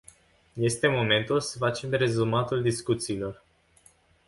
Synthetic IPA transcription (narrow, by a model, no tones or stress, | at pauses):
je̞st̪e̞mo̞me̞nt̪ulsəfat͡ʃe̞mɾe̞zumat̪uld̪iskut̪siːlo̞r